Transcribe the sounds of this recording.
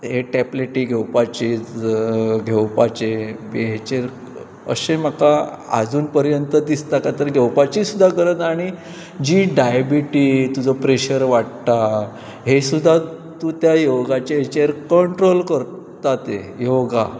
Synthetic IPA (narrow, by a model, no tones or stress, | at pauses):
ɦeʈɛpleʈiːɡʱewpat͡ɕet͡s | ɡʱewpat͡ɕebeɦet͡ɕeɾ | ə̰ɕẽm̤akaa̰d͡zuːnpəɾjənt̪əd̪ist̪akat̪əɾɡʱewpat͡ɕisud̪ʱːakəɾət̪aɽ̃i | d͡ʑiːɖajbiʈiːt̪ud͡zɔpɾeɕəɾʋaʈt̪a | ɦesud̪ʱːa | t̪uːt̪jajoɡat͡ɕeɦet͡ɕeɾkəɳʈɾolkəɾ | t̪at̪ejoɡa